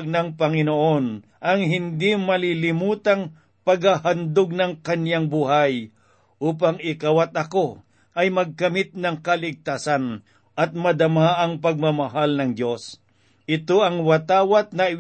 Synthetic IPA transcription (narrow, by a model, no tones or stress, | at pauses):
ɡ̚nɐŋpɐŋɪnoʔon | ʔɐŋɦɪnd̪imɐlilɪmuːt̪aŋ | pɐɡhahand̪oɡ̚nɐŋkɐnjaŋbuːɦaj | ʔuːp̬aŋɪkawat̪̚ɐko | ʔɐjmɐɡ̚kɐmɪt̪̚nɐŋkɐlɪɡ̚t̪aːsan | ʔɐt̪̚mɐd̪ɐmaʔɐŋpɐɡ̚mɐmɐɦalnɐŋd̪jo̞s | ʔɪt̪oɐŋwɐt̪aːwat̪̚nɐɪ